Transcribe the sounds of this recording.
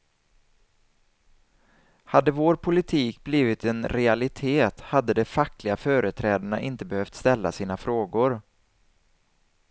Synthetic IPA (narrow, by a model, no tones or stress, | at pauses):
had̪ːəvoːɾpʰʊlɪt̪ʰiːkbliːvɪt̪ɛnɾɛalɪt̪ʰeːt̪had̪ːəd̪ɛfakːlɪɡafœːɾət̪ʰɾɛːd̪aɳa̰ʔɪnt̪əbɛhœft̪st̪ɛlːa̰siːnafɾoːɡʊɾ